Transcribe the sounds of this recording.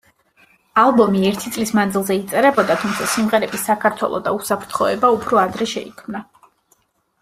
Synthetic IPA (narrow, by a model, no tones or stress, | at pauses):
alˠbɔmiɛɾt̪ʰit̪sʼlismand̪zilˠzɛit̪sʼɛɾɛbɔd̪at̪ʰumt̪sʰasimʁɛɾɛbisakʰaɾt̪ʰwɛ̰lˠɔ̰d̪a̰usapʰɾt̪ʰχɔɛbaupʰɾɔad̪ɾɛʃɛ̰ḭkʰmna